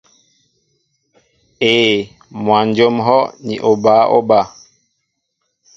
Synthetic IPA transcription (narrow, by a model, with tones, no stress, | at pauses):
eː˨ | mwa˨nd͡ʒo˦mɦɔ˦nḭ˨ʔo˨ba˨˦ʔo̰˦ba˦˨